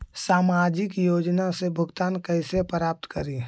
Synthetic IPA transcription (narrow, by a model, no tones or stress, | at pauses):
saːmad͡ʒɪkjoːd͡ʒnasebʱʊɡt̪aːnkəɪsepɾaːp̚t̪kəɾi